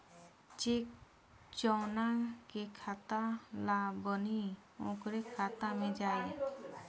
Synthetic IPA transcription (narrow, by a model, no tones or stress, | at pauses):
t͡ʃek̚ | t͡ʃɔwnakekʰat̪alabəni | ɔ̃kɾɛkʰat̪amɛd͡ʒaj